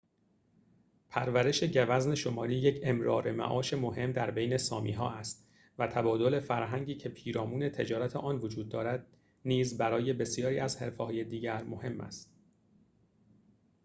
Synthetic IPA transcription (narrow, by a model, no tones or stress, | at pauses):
pʰæɾvæɾe̞ʃe̞ɟævæzne̞ʃo̞mɒːɾiːje̞cʰemɾɒːɾe̞mæ̰ʔɒːʃe̞moɦe̞md̪æɾbe̞jne̞sɒːmḭːɦɒ̰ːʔæst̪ | væt̪ʰæbɒːd̪o̞le̞fæɾɦæŋɟiːcʰe̞pʰiːɾɒːmuːne̞t̪ʰe̞d͡ʒɒːɾæt̪ʰeʔɒːnvo̞d͡ʒuːd̪̚ːɒːɾæd̪̥̚ | niːzbæɾɒːje̞be̞sijɒːɾiːæzhe̞ɾfeːhɒːje̞d̪iːɟæɾmo̞he̞mːʔæ̰st̪